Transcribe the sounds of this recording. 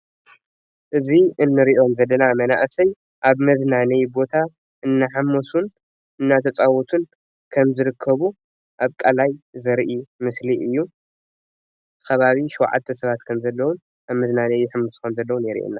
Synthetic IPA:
ʔɨziʔɨnːɨɾiʔo̞mzɐlːɐnamɐna̰ʔsɐj | ʔaβmɐznanɐjbo̞t̪ʰa | ʔɨnːaħamːosun | ɨnːat̪ʰɐt͡sʼawɔt̪ʰun | kʰɐmzɨɾɨkʰːɐβu | ʔaβkʼɐlajzɐɾʔimɨsliɨjːu | kʰɐβaβiʃw̰ʕa̰t̪ʰːɐsɐβat̪kʰɐmzɐlːɐwun | aβmɐznanɐjːħɨmːusu̥kʰɐmzɐlːɐwunɛɾḭʔḛnːa

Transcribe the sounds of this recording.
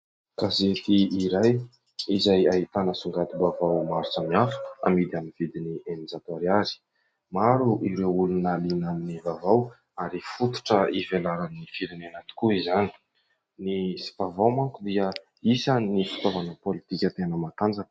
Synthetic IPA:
kazet̪iːɾaj | izajaɦit̪anəsuŋɡat̪ibavawmaɾt͡samiafu̥a̰mid̪iamiv̥id̪inienid͡zat̪aɾiazi̥ | maɾuʔiɾewulunalinaminivavaw | aɾifut̪u̥ʈ͡ʂəivelaɾaminifiɾinenat̪u̥kuizani̥ | nisi̥v̥avawmaŋkud̪iə | isanifi̥t̪ovanəpolit̪ikʲət̪enəmat̪and͡zən

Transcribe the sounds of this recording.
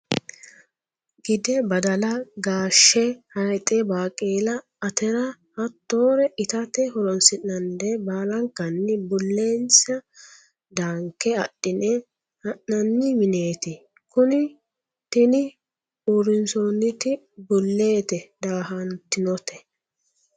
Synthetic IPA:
ɡɪd̪ɛbɐd̪ɐlɐɡaːʃːɛhɐjt̪ʼɛbaːkʼeːlɐ | ɐt̪ɛɾɐ | hɐt̪ːo̞ːɾɛʔɪt̪ɐt̪ɛhɔɾɔnsɪnːɐnd̪ɛbaːlɐŋkːɐnːɪbʊlːeːnsɐ | d̪aːŋkːɛɐ̰ɗːɪnɛ | hɐʔːɐnːɪmɪneːt̪ɪ | kʊnɪ | t̪ɪnɪ | uɾɪnsoːnːɪt̪ɪ | bʊlːeːt̪ɛd̪aːɦɐnt̪ɪnɔt̪ɛ

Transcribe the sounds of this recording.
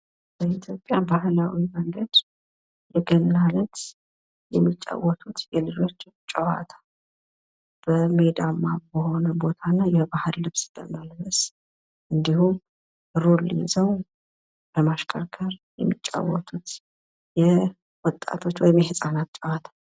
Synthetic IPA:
b̥əit̪ʰjo̞pʼjabahlawiməŋɡəd̪ | jɛɡənːalət̪ | jɛmːit͡ʃʼːa̰wːɔt̪ʰut̪jɛlɨd͡ʒo̞t͡ʃː | t͡ʃʼəwa̰t̪ʰḁ | b̥əme̞d̪amːabəho̞nəbo̞t̪ʰanːajɛbahɨɾlɨβsɨ̥t̪ʼːə̰malβəs | ʔɨnd̪ihum | ɾulizəw | bəmaʃkʼəɾkʰəɾjɛ̰mːit͡ʃʼːa̰wːɔt̪ʰut̪ | jɛ | wɔt̪ʼːa̰t̪ʰo̞t͡ʃːwɔjɪmjɛhɨsʼanat̪t͡ʃʼəwat̪ʰḁ

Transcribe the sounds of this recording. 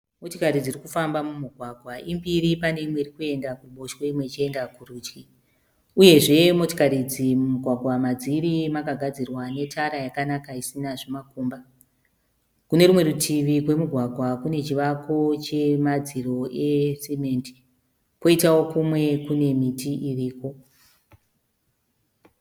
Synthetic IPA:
mo̞tokaɾid͡zirikufambamumuɡʱwaɡʱwaʔimbiɾipane̞imweirikue̞ndakuɓoʃwoimwe̞t͡ʃiendakuruːt͡ʃki | uje̞ʐe̞mo̞tokaɾid͡zimuɡʱwaɡʱwamad͡ziɾimakaɡʱad͡zirwane̞tʰaɾajakanakaisinaʐemakuːmba | kune̞ɾumwe̞ɾutʰiʋikwe̞muɡʱwaɡʱwakune̞t͡ʃiʋako̞t͡ʃe̞mad͡ziro̞e̞simenti̥ | ko̞itawo̞kumwe̞kune̞mitiʔiʋiːko̞

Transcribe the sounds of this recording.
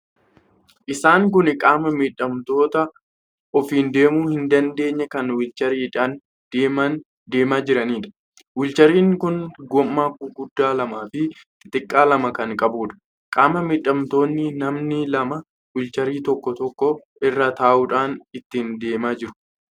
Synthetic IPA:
ʔɪsaːŋkʊnɪkʼaːmɐmiːᶑɐmt̪o̞ːt̪ɐ | ɔfiːnd̪e̞ːmuːhɪnd̪ɐnd̪e̞ːɲːɐkɐnwɪlt͡ʃɐɾiːᶑaːn | d̪̥eːmɐn | d̪e̞ːmaːd͡ʒɪɾɐniːᶑɐ̥ | wɪlt͡ʃɐɾiːŋkʊnɡɔmːaːkuɡʊd̪ːaːlɐmaːfɪ | tɪt̪ʼɪkʼːaːlɐmɐkɐŋkʼɐbuːᶑɐ̥ | kʼaːmɐmiːᶑɐmt̪o̞ːnːɪnɐmnɪlɐmɐ | wɪlt͡ʃɐɾiːt̪ɔkːɔt̪ɔkːɔ | ɪrːaːt̪aːʔuːᶑaːnɪt̪ːɪnd̪e̞ːmaːd͡ʒɪɾʊ̥

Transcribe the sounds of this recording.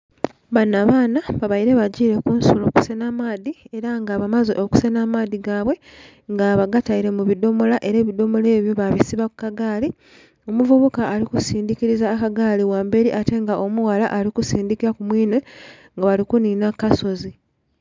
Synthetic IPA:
βanːaβaːnaβaβaiɾe̞βaɟiːɾe̞kunsolo̞ku̥senamaːðie̞ɾaŋɡaβamazeʔoku̥senamaːðiɡaːβwe̞ | ŋɡaβaɡataiɾe̞muβido̞mo̞laʔe̞ɾe̞ːβido̞mo̞le̞ːβjo̞βaβisiβakukaɡaːli | o̞muvuβukaːlikusiːndikiɾizaːkaɡaːliwaːmbe̞ɾiʔate̞ŋɡaʔo̞muwalaʔaɾikusiːndikiɾakumwiːnwe̞ | ŋɡaβalikuninakaso̞zi

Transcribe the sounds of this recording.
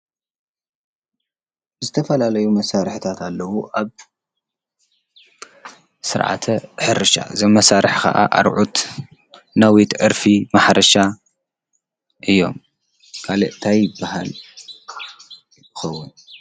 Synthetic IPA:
zɨt̪ʰɐfɐlalɐjumɐsaɾɨħɨt̪ʰat̪ʰalːɐwuʔaβ | sɨɾʕa̰t̪ʰɐħɨɾɨʃa̰zɐmmːɐsaɾɨħkʰɐ̰ʔa̰ʔa̰ɾʕut̪ | nawit̪ʔɨɾfimaħɾɐʃa | ʔɨjːo̞̰m | kʰalɨʔt̪ʰajɪbːaɦa̰l | jɪxɐwːʊn

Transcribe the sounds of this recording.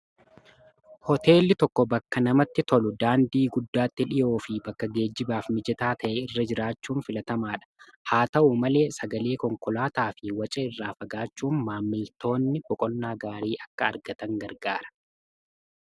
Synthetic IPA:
hɔt̪ʰe̞ːlːɪt̪ɔkːɔbɐkːɐnɐmɐt̪ːɪt̪ɔlʊd̪aːnd̪iːɡʊd̪ːaːt̪ːɪᶑɪjo̞ːfɪbɐkːɐɡe̞ːd͡ʒːɪbaːfmɪd͡ʒɛt̪aːt̪ʰɐʔɛɪrːɐd͡ʒɪɾaːt͡ʃːuːnfɪlɐt̪ɐmaːᶑɐ̥haːt̪ɐʔumɐle̞ːsɐɡɐle̞ːkɔŋkɔlaːt̪aːfɪwɐt͡ʃʼɐɪrːaːfɐɡaːt͡ʃːuːnmaːmːɪlt̪o̞ːnːɪbɔkʼɔnːaːɡaːɾiːʔɐkːɐːɾɡɐt̪ɐŋɡɐɾɡaːɾɐ̥

